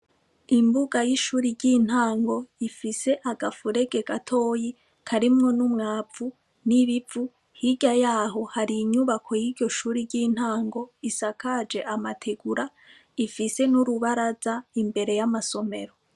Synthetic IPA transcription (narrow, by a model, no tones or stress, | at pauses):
imbuɡajiʃuːɾiɾɟiːn̥haːŋɡo̞ifise̞ʔaɡafuɾe̞ɡe̞ɡatʰo̞ːji | kʰaɾimŋo̞numŋaːvu | niβivu | hiɟajaːɦo̞haɾiːɲuβakʰo̞jiɾɟo̞ʃuːɾiɾɟiːn̥haːŋɡo̞isakaːd͡ʒe̞ʔamatʰeɡuɾa | ifise̞nuɾuβaɾazaimbe̞ɾe̞jamaso̞me̞ɾo